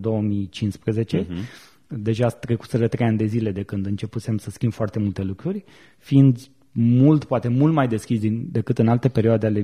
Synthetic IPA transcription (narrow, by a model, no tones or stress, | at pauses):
d̪o̞wəmit͡ʃinspɾəze̞t͡ʃe̞ | d̪e̞ʒat̪ɾe̞kut̪səɾət̪ɾejanʲd̪e̞zile̞d̪e̞kɨnd̪ɨnt͡ʃe̞pusemsəskʲimbfoart̪e̞mult̪e̞lukɾurʲ | fiind̪ | mult̪poat̪e̞mult̪majd̪e̞skʲisd̪ind̪e̞kɨt̪ɨnalt̪e̞pe̞ɾioad̪eale